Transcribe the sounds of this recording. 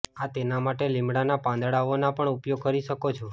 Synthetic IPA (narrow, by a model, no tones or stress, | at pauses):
at̪enamaʈelɪmɽanapãnd̪ɽaʋonapəɳupjoɡ̚kəɾiʃəkot͡ʃʰo